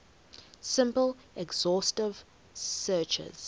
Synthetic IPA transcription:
sɪ̃mpəl | ʔɛɡz̥ɔˑstɪv̥ | sɜˑt͡ʃə̰z̥

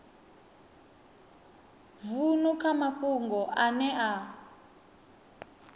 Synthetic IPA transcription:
vunukʰamakuŋɡɔʔanɛʔa

